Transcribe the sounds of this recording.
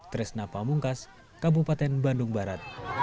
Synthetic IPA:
t̪əɾɪsnapamuŋkas | kabupat̪ɛnbandʊŋbaɾat̪̚

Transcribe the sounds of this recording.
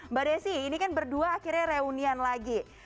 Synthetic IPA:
badajsiːnikanbərduaːkirɲaɾeunianlaɡi

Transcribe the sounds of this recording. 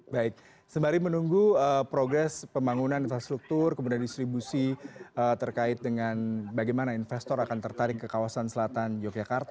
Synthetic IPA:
baɪk̚ | səmbaɾimənuŋɡuəpɾoɡɾɛspəmbaŋunaninfɾast̪ɾuk̚t̪urkəmudiandist̪ɾibusiət̪ərkaɪt̪̚dəŋanbaɡajmanainfɛst̪ɔɾakant̪ərt̪aɾɪkːəkawasansəlat̪and͡ʒɔkjakart̪

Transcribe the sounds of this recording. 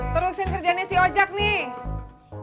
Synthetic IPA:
t̪əɾusɪnkərd͡ʒanasiɦod͡ʒak̚ni

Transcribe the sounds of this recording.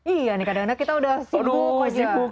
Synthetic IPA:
ijanikadaŋnɲakit̪audahsiumad͡ʒ

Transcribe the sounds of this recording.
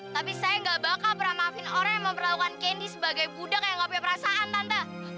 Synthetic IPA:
t̪apisajaŋɡabakalpəɾamafɪnoɾaŋjaŋməmpərlaukankendisəbaɡajbudak̚jaŋɡapiapəɾasaʔant̪ant̪a

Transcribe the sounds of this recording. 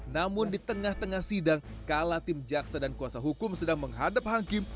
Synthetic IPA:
namʊndit̪əŋaht̪əŋahsidaŋkalat̪ɪmd͡ʒaksadankuasaɦukʊmsədaŋməŋɦadap̚haŋkɪm

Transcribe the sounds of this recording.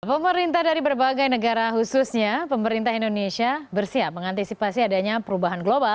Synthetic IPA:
pəməɾint̪ahdaɾipərbaɡajnəɡaɾaɦususɲapəməɾint̪aɦindonesiabərsiap̚məŋant̪isipasiadaɲapəɾubaɦanɡlobal

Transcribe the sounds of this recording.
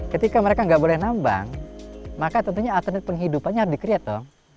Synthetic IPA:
kət̪ikaməɾekaŋɡaʔbolɛhnamba̰ŋmakat̪ənt̪uɲaːt̪ənɛt̪̚pəŋɦidupanɲaɦaɾsdikəɾiat̪ːɔŋ

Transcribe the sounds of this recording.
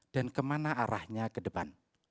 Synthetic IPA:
d̥ankəmanaʔaɾahɲakədəpan

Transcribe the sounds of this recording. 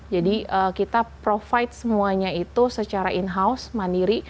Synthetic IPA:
d͡ʒadiəkit̪apɾofaɪt̪̚səmuaɲait̪usət͡ʃaɾaʔinɦausmandiɾi

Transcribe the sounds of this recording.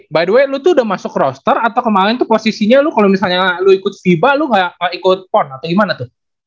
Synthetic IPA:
badwelut̪uːdamasʊkrɔst̪ərat̪awkəmaɾɪnt̪uposisiɲalʊkalomisalɲaluikʊt̪̚fibalʊŋɡaʔŋaʔikʊt̪̚pɔnat̪awɡimanat̪ʊh

